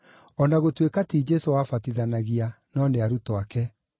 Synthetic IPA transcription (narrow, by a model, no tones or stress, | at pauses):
ɔnaɣotwekatiːd͡ʒɛsowafatiðanaɣia | nɔneaɾutɔakɛ